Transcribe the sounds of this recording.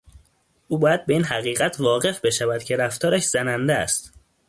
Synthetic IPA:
ʔuːbɒːjæd̪̚be̞iːnhæɣiːɣæt̪ʰvɒːɣe̞fbe̞ʃævæd̪̥cʰe̞ɾæft̪ʰɒːɾæʃz̥ænænd̪eæ̰st̪

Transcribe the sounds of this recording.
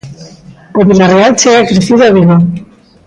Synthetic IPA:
oβilarealt͡ʃeakɾeθiðoaβiɣo

